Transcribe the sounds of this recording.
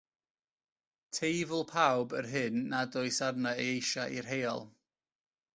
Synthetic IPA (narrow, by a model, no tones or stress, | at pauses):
tʰejvəlˠpʰawbərɦɨnːadʊɨsarnaejejʃaʔirɦejɔ̰lˠ